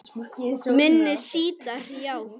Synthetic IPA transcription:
tɪsmɪnːɪsiːt̪ar̥jaw

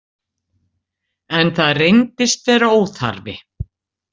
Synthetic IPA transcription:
ɛnθaðrejnt̪ɪst̪vɛːɾaoːwθa̰ɾvɪ̰

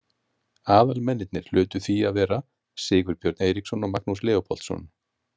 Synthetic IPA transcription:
aːðalmɛnːɪt̪nɪɾ̥l̥ʏːt̪ʏθiaðvɛːɾa | sɪːɣʏɾpjɔɾt̪nejɾiksɔnɔɣmak̚nuslɛːɔpʰɔ̰l̥t̪sɔ̰n

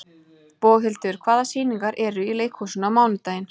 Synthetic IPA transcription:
poːɣɦɪlt̪ʏɾ̥kʰvaːðasiːniŋkaɾʔɛɾʏileːjkʰhusʏnawmaːwnʏt̪aːjɪn

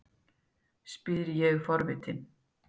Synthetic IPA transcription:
spiːðɾjɛɣfɔɾvɪt̪ɪn

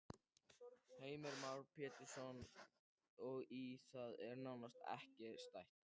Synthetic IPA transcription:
heːjmɛɾmawɾpʰɛːt̪ɪɾ̥sɔn | ɔɣiθaðɛɾnawnast̪ɛ̰hcɪst̪ajht̪

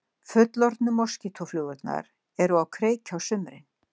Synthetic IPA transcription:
fʏt̪lɔɾt̪nʏmɔ̥scɪt̪ʰɔflʏːɣʏt̪na̰ɾ | ɛɾuawkʰɾeːjcʰawsʏmɾɪ̰n

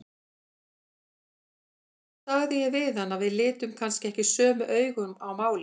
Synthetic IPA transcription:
θaɣðjɛvɪθanːavɪðlɪːt̪ʏmkʰanscɪɛhcɪsœːmʏʔœːɥɣʏmawmaːwlɪ

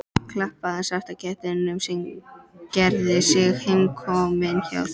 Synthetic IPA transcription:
kʰlahpaðansaft̪acʰɛht̪ɪnʏmsɪmcɛɾðɪsɪɣhejmkʰɔːmɪnça̰w

